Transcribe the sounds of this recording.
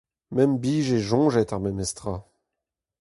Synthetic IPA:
mɛmbiʒeʒɔ̃ʒɛt̪ãmɛmɛst̪χa

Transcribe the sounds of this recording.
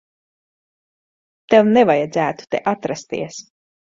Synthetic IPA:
t̪ɛwnɛvajad̪zæːt̪u̥t̪ḛʔat̪ɾast̪ḭɛs

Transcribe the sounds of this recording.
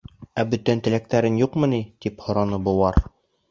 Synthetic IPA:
æbɵ̆t̪ænt̪ɘ̆læk̚t̪æɾɘnjuqmɤ̆nit̪iphŏɾɑnɤbŭwɑɾ

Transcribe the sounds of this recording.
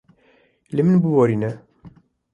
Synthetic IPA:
limənbuwæɾinæ

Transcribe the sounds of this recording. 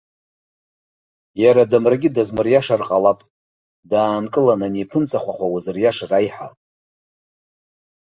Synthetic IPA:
jaɾadamraɡʲidazmɨrjaʂarqʼalapʼ | daːnkʼɨlananipʰɨnt͡sʼaχʷaχʷawazɨrjaʂrajħa

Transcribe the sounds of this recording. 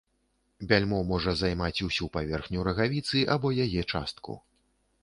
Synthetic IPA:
bʲalʲmɔmɔʐɐzajmat͡sʲusʲupavʲɛrxnʲuɾɐɣavʲit̪sɨʔabɔjajɛt͡ʂa̰st̪kṵ

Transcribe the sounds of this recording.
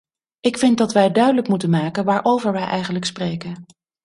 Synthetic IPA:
ʔɪkfɪntdɑtʋɛjdœɥdələkmutənmaːkənʋaːɹʔowvəɹʋɛjʔɛjχənləksprejkən

